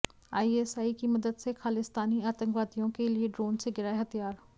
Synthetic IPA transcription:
aːieːsaːikimɐd̪əd̪sexaːlɪst̪aːniaːt̪ə̃ŋkʋaːd̪ijõkelieɖɾoːnseɡɪɾaːeɦɐt̪ijaːɾ

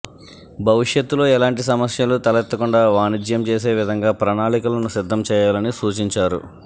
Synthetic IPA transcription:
bʱɐʋiʂjɐt̪ːulo̞ːɛlaːɳʈisɐmɐsjɐlut̪ɐlɛt̪ːɐkuɳɖaːʋaːnid͡ʒjɐmt͡ʃeːs̬e̞ːʋid̪ʱɐŋɡaːpɾɐnaːɭikulɐnusid̪ʱːɐmt͡ʃɛːjaːlɐnisuːt͡ʃiɲt͡ʃaːɾṵ

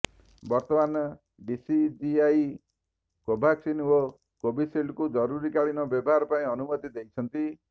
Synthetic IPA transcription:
bɔɾt̪ɔmanɔ | ɖisid͡ʒiaj | kobʱaksino | kobisiɖkud͡ʒɔɾuɾikaɭinɔbjɔbɔɦaɾɔpaĩɔnumɔt̪id̪ejt͡ʃʰɔnt̪i

